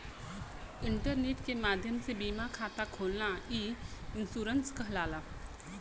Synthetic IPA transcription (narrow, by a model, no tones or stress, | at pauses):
ɪ̃ɳʈəɾneːʈkemaːd̪ʱjəmsebiːmakʰaːt̪akʰoːlnaiːɪnsuːɾənskəɦlaːla